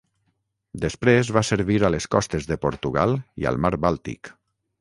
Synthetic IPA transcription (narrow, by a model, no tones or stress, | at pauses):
d̪espɾezβaseɾβiɾaleskɔst̪ezðəpoɾt̪uɣalˠiə̰lˠmaɾbalˠt̪ḭk